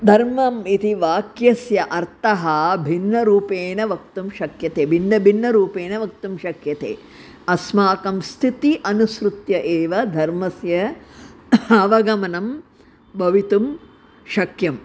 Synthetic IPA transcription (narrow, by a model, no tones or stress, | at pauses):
d̪ʱɐɾmɐmit̪iʋaːkjɐsjɐʔɐɾt̪ɐɦɐbʱinːɐɾuːpeːnɐʋɐk̚t̪umʃɐkjɐt̪eːbʱinːɐbʱinːɐɾuːpeːnɐʋɐk̚t̪umʃɐkjɐt̪ḛː | ɐsmaːkɐmst̪ʰit̪iʔɐnusɾut̪jɐʔeːʋɐd̪ʱɐɾmɐsjɐ | ɐʋɐɡɐmɐnɐm | bʱɐʋit̪um | ʃɐkjɐm